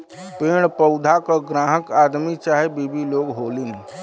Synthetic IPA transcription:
peːɽpəʊd̪ʱakəɡɾãːɦəkaːd̪mit͡ʃaːɦebiːbiloːɡɦoːlin

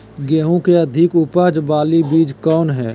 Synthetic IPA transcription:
ɡɛːɦõkeɐd̪ʱɪkʊpaːd͡ʒbaːlibiːd͡ʒkɔːnɦɛː

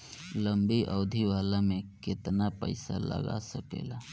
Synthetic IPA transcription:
lə̃mbiʔɔʊd̪ʱiʋaːlamẽkɪt̪napə̰ɪsa̰lə̰ɡa̰səkḛːlaː

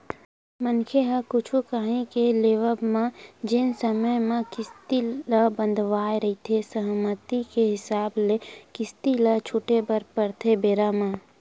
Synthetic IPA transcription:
mənkʰeɦəkʊt͡ʃʰukaɦẽkeleːʋəbmãd͡ʒɪnsəməjmẽkɪst̪iləbə̃nd̪ʱʋaːeɾəɦit̪ʰesəɦmət̪ikeɦɪsaːblekɪst̪ilət͡ʃʰuːʈebəɾpəɾt̪ʰebeːɾamãː

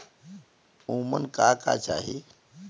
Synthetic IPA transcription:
uːmənkaːka̰t͡ʃa̰ːɦi

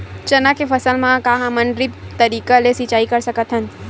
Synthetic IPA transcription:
t͡ʃɐnakefʰɐsəlmãkaɦãmɐnɖɾɪp̚t̪ɐɾiːkalesit͡ʃaːikɐɾsɐkət̪ɦən

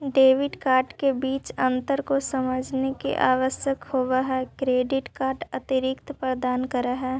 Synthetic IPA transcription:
ɖeːʋɪɖkaːɾʈkebiːt͡ʃə̃nt̪əɾkosəməd͡ʒʱnekḛʔaːʋəsjəkhoːʋaɦɛkɾeːɖɪʈkaːɾʈɐt̪iɾɪkt̪pɾəd̪aːnkəɾaɦɛː

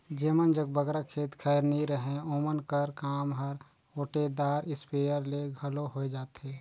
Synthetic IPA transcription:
d͡ʒemənd͡ʒəɡ̚bəɡɾakʰeːt̪kʰɛjɾniɾəɦẽomənkəɾkaːmɦəɾ | oːʈed̪aːɾɪspejəɾleɡʱəloɦoɛd͡ʒaːt̪e

